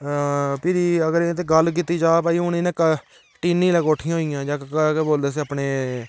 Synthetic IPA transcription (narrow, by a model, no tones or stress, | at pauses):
pɪɾiːəɡəɾẽːt̪̬eːɡəlk̬iːt̪ːiːd͡ʒaːpaːiːʊnĩːnekə | ʈiːnːĩːləkoːʈʰĩjãɦoːijãːd͡ʒaːkkeboːld̪eːs̬iapɳeː